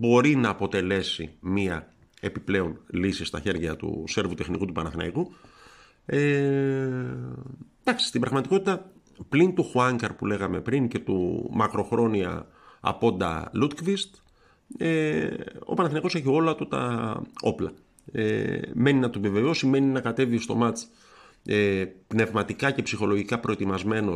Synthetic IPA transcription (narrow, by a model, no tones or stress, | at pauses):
bo̞ɾinɐːpo̞t̪e̞le̞sḭmiɐ | e̞piple̞o̞nlisist̪ɐ̰çe̞ɾʝɐt̪ṵse̞ɾvut̪e̞xnikut̪upɐnɐθinɐ̰iku | e | d̪ɐksi̥st̪ibɾɐɣmɐt̪iko̞t̪it̪ɐ | plint̪uxuɐŋkɐɾpule̞ɣɐme̞pɾiŋce̞t̪ṵmɐkɾo̞xɾo̞niɐ̰ | ɐ̰po̞nd̪ɐ̰lut̪kvist̪ | e | o̞̰pɐnɐθinɐiko̞se̞çio̞lɐt̪ut̪ɐ̰o̞plɐ̰ | ḛme̞ninɐt̪uve̞ve̞o̞sime̞ninɐkɐt̪e̞vist̪o̞mɐt͡s | epne̞vmɐt̪ikɐce̞psixo̞lo̞ʝikɐpɾo̞e̞t̪imɐzme̞no̞